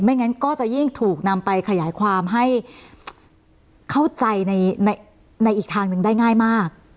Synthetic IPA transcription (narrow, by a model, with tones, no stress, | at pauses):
ma˥˩jŋa˦˥nkɔː˥˩t͡ɕa˨˩ji˥˩ŋt̪ʰuː˨˩k̚na˧mpa˧jkʰa˧jaː˩˦jkʰwaː˧mɦa˥˩j | kʰa˥˩wt͡ɕa˧jna˧jna˧j | na˧jʔiː˨˩k̚t̪ʰaː˧ŋnɯ˨˧˩ŋdaː˥˩jŋaː˥˩jmaː˥˩k̚